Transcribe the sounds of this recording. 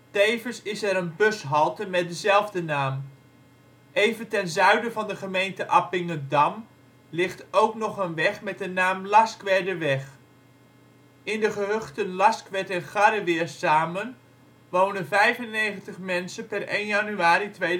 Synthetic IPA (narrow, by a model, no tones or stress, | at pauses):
tejvənsɪsɛɾənbɵsɦɑlˠtəmɛt̚dəzɛlˠvdənaːm | ejvəntɛnzœɥdəvɑndəχəmejntəʔɑpɪŋədɑm | lɪχtowknɔχənʋɛχmɛt̚dənaːmlɑskʋɛɹdəʋɛχ | ɪndəχəɦøχtənlɑskʋɛtɛnχaɾəʋɪəɹsaːmən | ʋownənvɛjvənːejχəntəχmɛnsənpɛrejnjanyaːɾitʋej